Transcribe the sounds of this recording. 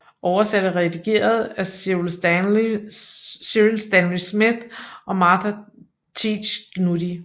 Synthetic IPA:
ʔɒʊɐsæɾ̥əʁɛd̥iɡ̥e̝̰ːɐð̞̩ˠæsels | siilsd̥ænlismiðʔɒ̽mɑ̈ːt͡sʰæ | t͡sʰi̥ɕɡ̥nudi

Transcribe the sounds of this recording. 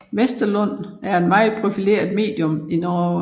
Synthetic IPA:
ʋesd̥ɐlɔn̰æɐe̝d̥mɑ̈ɪð̩ˠpʰʁo̝file̝̰ːɐð̩ˠme̝̰ːd̥jɔ̽minɒ

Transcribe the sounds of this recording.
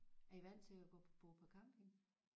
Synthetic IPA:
æɐiʋæn̰t͡sʰe̝æɡ̥ɔ̰̥̽ːb̥oːpʰɒ̽kʰɑ̈mb̥eŋ

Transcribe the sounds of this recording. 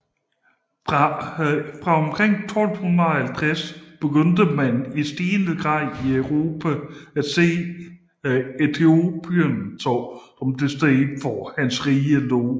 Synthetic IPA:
fʁɑ̈ɒ̽mkʰʁeŋ̰t͡sʰɒ̽l̰d̥hunɐhælt͡sʰʁasb̥e̝ɡ̥øn̰d̥əmænisd̥iːnəɡ̥ʁɑ̈ð̰ˠiœʊʁo̝ːpʰææ̥se̝̰ː | et͡sʰeo̝b̥yɐnt͡sʰɒsɒ̽md̥esd̥eːdfɒhænsʁiːəlɔ̰ː

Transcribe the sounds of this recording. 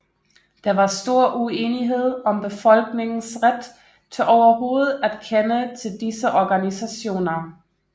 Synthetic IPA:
d̥ɑ̈ʋɑ̈sd̥o̝ɐ̰ʔue̝ːniɦe̝ð̞̰ˠɒ̽mb̥e̝fɒ̽lɡ̥ne̝ŋn̩sʁad̥ | t͡sʰe̝lʔɒʊɐɦo̝ːð̩ˠæd̥kʰenət͡sʰe̝ld̥isəʔɒɡ̥ænisæɕo̝̰ːnɐ

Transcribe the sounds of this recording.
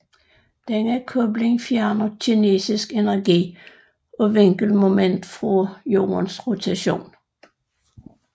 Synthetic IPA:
d̥eŋækʰɔb̥le̝ŋfjæɐnɐɕʰine̝̰ːsisɡ̥e̝næɐɡ̥ḭː | ɒ̽ʋeŋ̰ɡ̥əl̩mo̝men̰d̥fʁɒjo̝̰ːɐnsʁo̝t͡sʰæɕo̝̰ːn

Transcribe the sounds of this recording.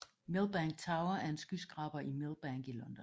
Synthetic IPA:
melˠb̥æŋ̥̚t͡sʰɑ̈ʊɐæɐe̝nsɡ̥ysɡ̥ʁɑ̈b̥ɐʔimelˠb̥æŋɡ̥ilɒ̽nd̥ɒn

